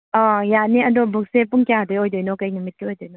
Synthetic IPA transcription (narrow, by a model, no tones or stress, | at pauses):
ɔjaniɐdɔbuk̚sepuŋkijadɔjojdɔjnɔkajŋɯmit̚kiojdɔjnɔ